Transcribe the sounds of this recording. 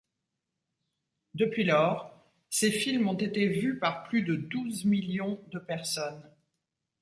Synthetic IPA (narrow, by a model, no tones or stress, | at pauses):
d̪əpɥilɔʁ | sefilmɔ̃t̪et̪evypaʁplyd̪əd̪uzmiljɔ̃d̪əpɛʁsɔn